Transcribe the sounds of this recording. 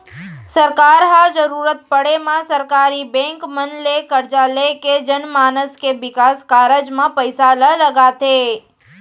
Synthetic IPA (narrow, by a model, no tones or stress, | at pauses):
səɾkaɾɦad͡ʒəɾuɾət̪̚pəɽemãsəɾkaɾibɛ̃ŋkmənlekəɾd͡ʒaleked͡ʒənmaːnəskeʋɪkaskaɾəd͡ʒmãpəjsalələɡat̪e